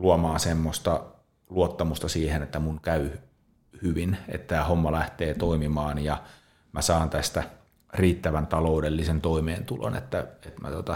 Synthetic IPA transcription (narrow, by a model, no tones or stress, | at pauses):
luɑmɑːsemːost̪ɑ | luot̪ːɑmust̪ɑsiːhenet̪ːæmuŋkæy | hyʋinḛt̪tæːhomːɑlæht̪eːt̪oimimɑːnjɑ | mæsɑːnt̪æst̪æ | riːt̪ːæʋænt̪ɑloudelːisent̪oimeːnt̪ulo̰nḛt̪ːæet̪mæ̰t̪ot̪ɑ